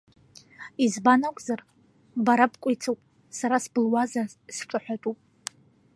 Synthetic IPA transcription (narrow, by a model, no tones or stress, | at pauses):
izbanakʷʼzar | baɾapkʷʼʊjt͡sʰawpʼ | saɾasbɨlwazasʈ͡ʂʷʼaħʷᶣatʼupʼ